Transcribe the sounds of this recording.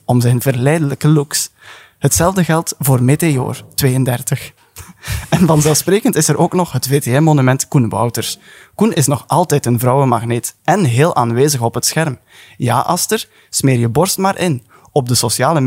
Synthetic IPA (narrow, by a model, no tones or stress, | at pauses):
ɔmzɛjnvərlɛjdələkəluks | hətsɛlˠvdəɣɛlˠtvoːrmeteo̰ːrtʋeːjəndɛrtəx | ɛnvɑnzɛlˠsprɾeːkəntɪsəɾoːknɔχɦətveːteɛnmonymɛntkunbɑ̰wtərskunɪsnɔxʔɑlˠtɛjtənvrɑwəmɑɣneːtɛnɦeːlˠʔa̰ːnʋeːzəxɔpɦətsxɛrm | ja̰ːʔɑstər | smeːrjəbɔrstmaːɾʔɪn | ɔb̚dəsosjaːlə